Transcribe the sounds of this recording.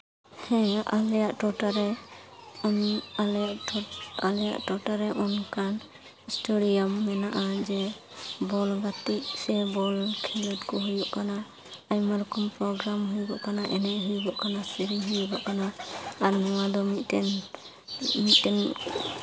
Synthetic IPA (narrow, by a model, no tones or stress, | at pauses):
hɛ̃a̰ljaʔʈɔʈaɾɛ | ɔnalaʔalɛja̰ʔʈɔʈaɾɛʔɔnkan | sʈoɽijamːɛnaʔad͡ʒɛ | bɔlɡat̪ik̚sɛbɔlkʰɛlɔtkɔɦujbɔʔkana | ajmaɾɔkɔmpɾɔɡɾamɦujbɔʔkanaʔɛnɛʔɦujbɔʔkanasiɾiɦujbɔʔkanaːɾnɔwad̪ɔmi | mit̪̚tɛn